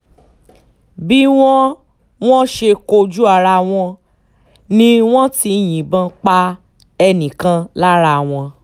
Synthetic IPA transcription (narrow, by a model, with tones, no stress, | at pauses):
bi˦w̃ɔ̃˦ | w̃ɔ̃˦ʃe˧ko˧d͡ʒu˦a˦˨ɾa˧w̃ɔ̃˧ | nĩ˦w̃ɔ̃˦ti˧j̃ĩ˨bã˧k͡pa˧˦ | ɛ˧nĩ˨kã˧˦la˦ɾa˧˨w̃ɔ̃˧